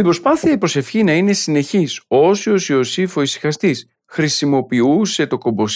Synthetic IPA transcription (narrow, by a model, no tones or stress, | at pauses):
ibɾo̞spɐθiɐipɾo̞se̞fçinɐine̞sine̞çiso̞sio̞sio̞sifo̞isi̥xɐst̪is | xɾisimo̞piuse̞t̪o̞ko̞bo̞s